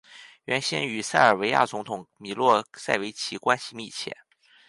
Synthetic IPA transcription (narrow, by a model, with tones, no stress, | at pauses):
ɥɛ˧˥nɕjɛ˥ny˨˩sa˥˩ɪə˞˨˩we˧˥ɪja̰˥˩t͡sʊ˧˥ŋt̪ʰʊ˨˩ŋmi˨˩lwɔ˥˩sa˥˩ɪwe˧˥ɪt͡ɕʰi˧˥kwa˥nɕi˨˧mḭ˥˩t͡ɕʰjɛ̰˥˩˦n